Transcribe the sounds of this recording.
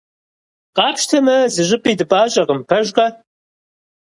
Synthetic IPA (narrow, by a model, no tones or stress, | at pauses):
qʼɑːpʃtʰɐmɐzɨʒɪpʼidɨpʼaːɕʼɐʁəmpʰɐʒqɐ